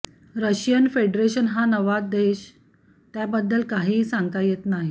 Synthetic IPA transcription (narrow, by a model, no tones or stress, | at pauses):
ɾəɕjənfeɖɾeɕənɦanəʋad̪eɕ | t̪jabəd̪ːəlkaɦiːsaŋɡt̪ajet̪naɦi